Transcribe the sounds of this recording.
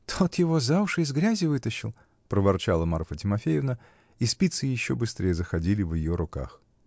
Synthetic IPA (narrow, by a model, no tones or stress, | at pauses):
t̪ʰo̞t̪jɪvozavʂɨɪzɡɾʲazʲɪvɨt̪əɕːɪlˠ | pɾəvɐrt͡ɕalˠəmarfətʲɪmɐfʲejɪvnə | ispʲit̪sɨjɪɕːobɨst̪ɾʲejəzəxɐdʲilʲɪvjɪjoɾʊka̰x